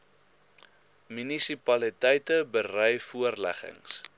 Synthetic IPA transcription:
mynisipɐlitɛjtəbərœjfuərlæ̰χə̰ŋs

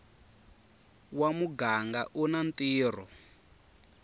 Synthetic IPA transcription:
wamuɡaŋɡaʔunantʼiːr̤ɔ̰

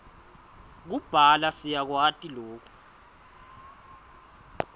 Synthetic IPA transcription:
k̬ub̥ʱalasijak̬watʼiloːk̬u̥

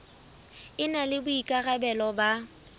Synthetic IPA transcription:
ɪnalɪbʊikʼaɣabɛlɔba

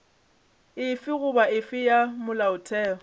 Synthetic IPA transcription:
ɪfɪɣʊbaɪfɪjamʊlaʊtʰɛːɔ

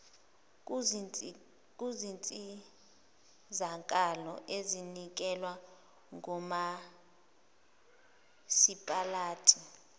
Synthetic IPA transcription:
k̬ʼuzint͡sʼi | zaŋkʼalɔ̰ʔezinik̬ʼɛlwa | ŋʱɔma | sipʼalaːtʰʼi

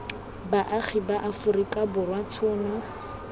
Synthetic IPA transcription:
baʔaχʰibaʔafʊrikʼabʊrwatʰʊːnɔ

